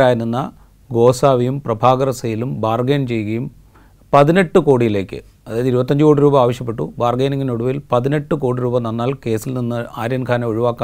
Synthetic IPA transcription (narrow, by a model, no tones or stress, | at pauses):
aːjininːɐ | ɡo̞ːsaːʋijumprɐbʱaːɡɐrɐsɐjilumbaːrɡeːnt͡ɕe̞jːɣɐjum | pɐðine̞ʈːɨko̞ːɽijile̞ːkːɨ̰ | ɐðaːjðiɾubɐt̪ːɐɲd͡ʑɨko̞ːɽiɾuːbɐaːʋɐɕjɐp̬ːe̞ʈːṵbaːrɡeːniŋɡinoɽuʋilpɐðine̞ʈːɨko̞ːɽiɾuːbɐnɐnːaːlke̞ːsilninːɨaːɾijɐnkʰaːnɐoɻiʋaːkːa